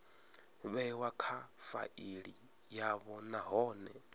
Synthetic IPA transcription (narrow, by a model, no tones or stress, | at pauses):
βɛwakʰafa̰ʔiɺi | jaβɔnaɦɔːnɛ